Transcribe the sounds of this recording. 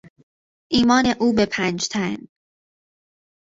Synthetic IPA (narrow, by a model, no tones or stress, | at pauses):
ʔiːmɒːne̞ʔuːbepʰæːnd͡ʒt̪ʰæn